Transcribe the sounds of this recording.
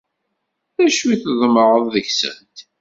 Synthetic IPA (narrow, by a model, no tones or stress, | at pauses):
ðæʃwiθəðˤməɾˤəðˤðəçsə̰nt̪